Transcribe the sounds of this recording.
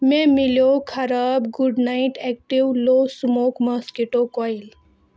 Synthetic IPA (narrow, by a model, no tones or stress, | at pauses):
memiljokʰɐɾabɡuɖnajʈɛk̚ʈiwlosmokməskeʈokɔjl